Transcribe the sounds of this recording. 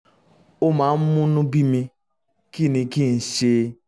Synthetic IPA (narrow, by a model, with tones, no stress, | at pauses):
o˦ma˨˦m̩˦mʊ˦nʊ̃˦bi˦mi˧ | ki˦˨ni˨ki˦˨n̩˨ʃe˦